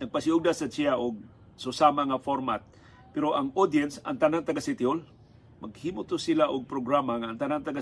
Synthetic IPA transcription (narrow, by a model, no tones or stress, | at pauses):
naɡ̚pasɪʊɡ̚d̪asat͡ʃiaʔʊɡ̚ | sʊsamaŋafoɾmat̪̚ | pɛɾoʔaŋod̪jɛnsa̰ŋt̪anaŋt̪aɡasɪt̪jol | maɡhimʊt̪ʊsilaʔʊɡ̚pɾoɡɾamaŋaːŋt̪anaŋt̪aɡa